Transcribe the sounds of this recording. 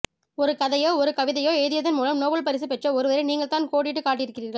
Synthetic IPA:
ɔɾɯkɐðɐjoːɔɾɯkɐʋɪðɐjoːɛːðɪjɐðɪnmuːlɐmnoːbɐɭpɐɾɪs̬ɯpɛʈrɐɔɾɯʋɐːɾɐɪniːŋɡɐɭt̪aːnkoːɽɪʈ̬ːɯkaːʈ̬ːɪjɪɾɯkːɪriːɾɣɐɭ

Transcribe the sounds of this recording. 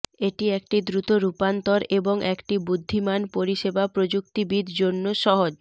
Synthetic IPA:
eʈiek̚ʈid̪ɾut̪oɾupant̪oɾeboŋʔekʈibud̪ʱːimanpoɾiʃebapɾod͡ʑuk̚t̪ibid̪ʱd͡ʑonːoʃɔɦod͡ʑ

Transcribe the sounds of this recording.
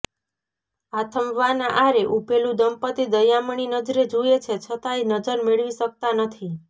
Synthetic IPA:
at̪ʰəmʋanaʔaɾeʔupelũd̪əmpət̪id̪əjaməɳ̃inəd͡ʒɾed͡ʒuet͡ʃʰet͡ʃʰət̪aenəd͡ʒəɾmeɭʋisək̚t̪anət̪ʰi

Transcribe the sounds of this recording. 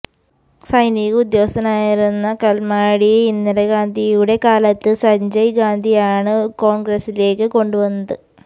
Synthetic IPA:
sɐjniɣud̪jo̞ːsɐnaːjiɾunːɐkɐlmaːɽiinːɐɾɐɡaːnd̪ʱijuɽe̞kaːlɐt̪ːɨsɐɲd͡ʑɐjɡaːnd̪ʱijaːɳɨko̞ːɳɡrɐsile̞ːkːɨko̞ɳɖuʋɐnːɐðɨ

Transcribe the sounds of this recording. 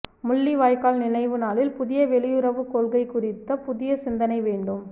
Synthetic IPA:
mʊɭːiʋaːjkaːlnɪnɐɪʋɯnaːlɪlpʊðɪjɐʋɛɭɪjɯɾɐʋɯkːoːlɣɐɪkʊrɪt̪ːɐpʊðɪjɐsɪnd̪ɐnɐɪʋeːɳɖɯm

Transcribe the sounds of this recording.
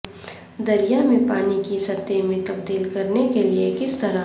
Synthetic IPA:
d̪ɐɾijamẽpaːnikisɐt̪ːemẽt̪ɐb̚d̪iːlkɐɾnekeliekɪst̪ɐɾa

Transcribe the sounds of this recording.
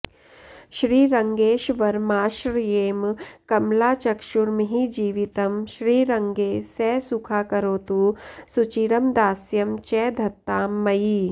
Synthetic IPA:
ʃɾiːɾɐŋɡeːʃʋɐɾmaːʃɾjeːmkɐmlaːt͡ʃɐkʃuɾmiɦid͡ʒiːʋit̪ɐmʃɾiːɾɐŋɡeːsɛːsukʰaːkɐɾoːt̪uːsut͡ʃiɾɐmd̪aːsjɐmt͡ʃɛːd̪ʱɐt̪ːaːmːɐjiː

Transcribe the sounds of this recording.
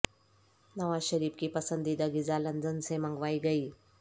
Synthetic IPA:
nəʋaɕəɾiːfkiːpəsənd̪iːd̪əɡid͡zalənd͡zənsẽmaŋɡʋaiɡəiː

